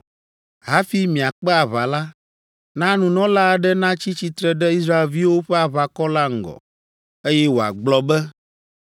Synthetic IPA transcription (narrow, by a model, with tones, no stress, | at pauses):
ɦa˦fi˦mĩ˨a˨k͡pɛ˦a˨βa˨la˦ | nã˦nũ˨nɔ̃˦la˦˨ɖɛ˦nã˦t͡ɕi˦t͡ɕi˦t̪ɾɛ˦ɖɛ˦i˦s̬ɾa˦e˨lvi˦wo˦ɸɛ˦a˨βa˨kɔ˦la˦ŋ̩˨ɡɔ̰˨ | e˦jɛ˦wo˨a̰˨ɡ͡blɔ˦bɛ˦